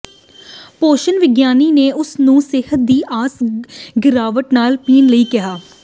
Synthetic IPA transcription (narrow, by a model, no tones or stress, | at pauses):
poːʃənʋɪɡjaːniːneːʔʊsnũːsɪhət̪̚d̪iːʔaːsɡɪɾaːʋəʈnaːlpiːnləiːkɪɦaː